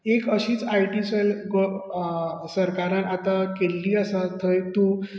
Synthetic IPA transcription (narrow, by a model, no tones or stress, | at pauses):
ekəɕiːt͡sajʈiːselɡo | səɾkaɾãnat̪akelːiːəsat̪ʰəjt̪u